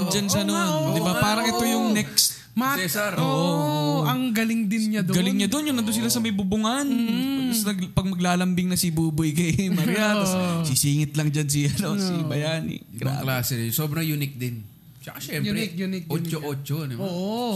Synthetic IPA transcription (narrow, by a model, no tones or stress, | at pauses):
nd͡ʒansɐnod̪ɪbapaːɾɐŋʔɛt̪o̞jʊŋnɛkst̪ | maɛsɛɾʔoʔooɐŋɡɐlɪŋd̪ɪnɲad̪ɡɐlɪŋɲad̪onjʊŋnɐnd̪onsɪlasɐmɐjbubʊŋanɐsɐɡpɐɡ̚mɐɡlaːlɐmbɪŋnɐsibuːbʊjkɐjmɐɾjassisiːŋɪt̪̚lɐŋd͡ʒansiɐnosibɐjaːnɪ̰ɡɾa̰ːklaːsɛd̪ɪsoːbɾɐŋjunɪk̚d̪ɪn | t͡ʃɐkaʃɛnɪot͡ʃoʔoːt͡ʃod̪ɪmoʔo